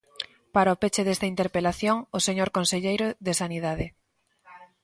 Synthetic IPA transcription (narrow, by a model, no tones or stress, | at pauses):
paɾaopet͡ʃeðest̪ɐint̪eɾpelaθjoŋoseɲoɾkonseʎejɾoðesanið̞aðɪ